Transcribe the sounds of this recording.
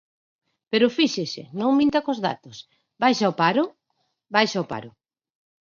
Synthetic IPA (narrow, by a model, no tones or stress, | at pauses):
peɾʊfiʃesɪ̰nõŋmĩnt̪akozða̰t̪os | bajʃaopaɾʊ | bajʃaopa̰ɾʊ